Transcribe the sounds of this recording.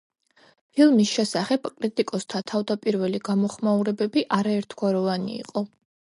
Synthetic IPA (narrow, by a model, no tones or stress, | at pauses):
pʰilˠmisʃɛsaχɛb̥kʼɾit̪ʼikʼɔst̪ʰat̪ʰavd̪apʼiɾvɛliɡamɔχmauɾɛbɛbiʔaɾaɛɾt̪ʰɡ̥waɾɔvanḭḭqʼɔ